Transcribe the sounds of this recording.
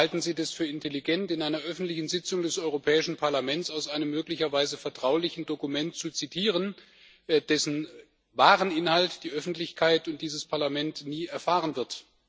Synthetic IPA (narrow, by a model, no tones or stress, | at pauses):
haltn̩ziːdasfyːɐɪntʰeliɡɛntɪnʔaɪnɐʔœfn̩tlɪçn̩zɪt͡sʊŋdɛsɔʏʁopʰɛːɪʃn̩pʰaɐlamɛnt͡saʊsʔaɪnəmːøːklɪçɐvaɪzəfɛɐtʁ̥aʊlɪçn̩dokumɛntt͡sut͡sitʰiːʁ̞ən | d̥ɛsn̩ | vaːʁənʔɪnhaltd̥iːʔœfn̩tlɪçkʰaɪtʊnt̚d̥iːzəspʰaɐlamɛntniːɛɐfaːʁ̞ənvɪɐt